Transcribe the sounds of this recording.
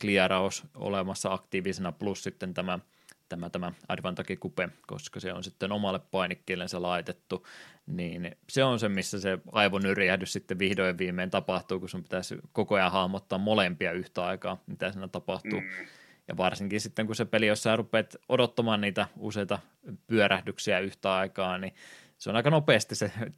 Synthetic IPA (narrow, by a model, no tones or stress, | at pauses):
kliɑrɑoso̰lemɑsːɑɑkt̪iːʋisenɑplussit̪ːent̪æmæ | t̪æmæt̪æmæɑ̰dʋɑnt̪ɑkikupeko̰skɑseo̰nsit̪ːenomɑlːeppɑinikːiːlːenselɑit̪et̪ːuniːnseonsemmisːæseɑiʋonyrjæhdyssit̪ːeʋʋihdojeʋʋiːmˑeːnt̪ɑpɑht̪uːkusumpi̥t̪æskokojɑhɑhmot̪ːɑːmmolempiɑyht̪æɑikɑːmit̪æsiːnæt̪ɑpɑht̪uː | jɑ̰ʋɑrsiŋkinsit̪ːeŋkusepelijossæːrupˑeːt̪ʔodot̪ːɑmɑːnniːt̪æuseit̪ɑ | pyøɾæhdyksiæyht̪æɑikɑːni | seo̰nɑikɑnopeːst̪isse